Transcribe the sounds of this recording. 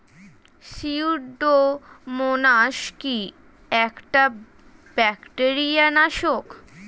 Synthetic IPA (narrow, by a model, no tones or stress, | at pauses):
ʃiuɖomonaʃki | ɛkʈa | b̥ɛkʈeɾijanaʃok